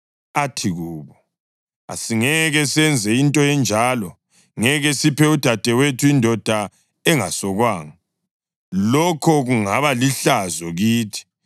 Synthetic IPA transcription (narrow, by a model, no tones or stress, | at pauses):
atʰiɣuːβɔ | a̰siŋɛɣɛsɛnd͡zʱɛintʼɔɛnd͡ʒʱalɔ | ŋɛɣɛsipʰɛud̥ʱad̥ʱɛwetʰuindʱɔd̥ʱa | ɛŋa̰sɔɣwaːŋa | lɔkʰɔɣuŋaβaliɬazɔɣiːtʰi̥